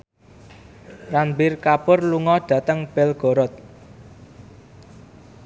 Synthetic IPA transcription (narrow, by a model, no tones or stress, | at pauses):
rambɪrkapʊrluŋɔɖ̥ä̤t̪əŋb̥ɛlɡ̥ɔ̤ɾɔt̪̚